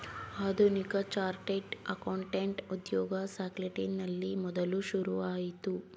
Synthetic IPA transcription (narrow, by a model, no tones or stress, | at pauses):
aːd̪ʱunikɐt͡ʃaːɾʈeʈɐkɐːɳʈeɳʈud̪jɔːɡɐsaːkleʈinːɐlːimɔd̪ɐluʃuɾuʋaːjit̪u